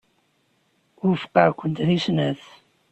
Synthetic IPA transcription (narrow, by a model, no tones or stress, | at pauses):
ʊɾfə̥qːəɾkʷːənt̪ðisnæθ